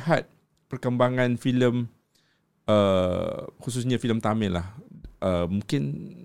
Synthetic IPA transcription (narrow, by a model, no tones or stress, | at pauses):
hat̪̚ | pərkəmbaŋãnfiləm | ə | hus̬us̬ɲafiləmt̪amɛ̃lahʔəmũŋkɪn